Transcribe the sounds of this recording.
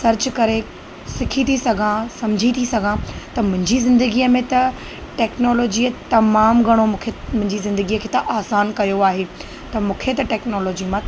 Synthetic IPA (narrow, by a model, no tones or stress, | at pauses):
sɐɾt͡ɕkɐɾe | sɪkʰit̪ʰisɐɡʱãsɐmd͡ʑʱit̪ʰisɐɡʱãt̪ɐmʊ̃ɦɪ̃ɲd͡ʑizɪ̃nd̪əɡiːəmẽt̪ɐ | ʈɛːknɔːloːd͡ʑiət̪ɐmaːmɡʱɐɽ̃omũːkʰemʊ̃ɦɪ̃ɲd͡ʑizɪ̃nd̪əɡiːəkʰeːt̪ɐʔaːsaːnkɐjoaːɦe | t̪ɐmũːkʰet̪ɐʈɛːknɔːloːd͡ʑimã